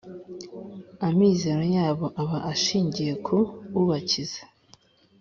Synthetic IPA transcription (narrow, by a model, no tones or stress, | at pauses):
amiːze̞ɾojaːβo̞ʔaβaʔaʃiːɲɟije̞kʰuβuβaciz̥ḁ